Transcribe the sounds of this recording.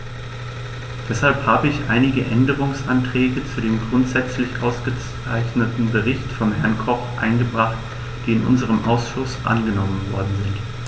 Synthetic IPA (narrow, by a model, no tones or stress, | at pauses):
d̥ɛshalphaːbəɪçʔaɪnɪɡəʔɛndəʁ̞ʊŋsʔantʁ̥ɛːɡət͡sudeːmɡʁʊntz̥ɛt͡slɪçʔaʊsɡ̥ət͡s | aɪçnətn̩bəʁ̞ɪçtfɔnɦɛɐnkʰɔχʔa̰ɪnɡəbʁaχt | d̥iːɪnʔʊ̰nzəʁ̞əmʔa̰ʊsʃʊsʔa̰nɡənɔmənvɔɐdn̩zɪnt